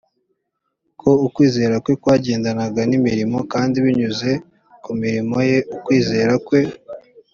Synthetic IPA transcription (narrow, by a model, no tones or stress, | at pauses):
kʰo̞ukwiːze̞ːɾakwe̞kwaːɟe̞ːndanaɡanimiɾimo̞kaːndiβiɲuze̞ | kumiɾimo̞je̞ukwiːze̞ːɾakwe̞